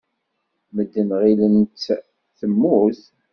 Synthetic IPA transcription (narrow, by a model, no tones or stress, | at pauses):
məd̪ːəmʁilənt̪ | θəmːʊθ